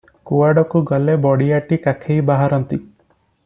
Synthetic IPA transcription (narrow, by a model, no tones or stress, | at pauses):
kuaɖɔkuɡɔlebɔɽiaʈikakʰejbaɦaɾɔnt̪i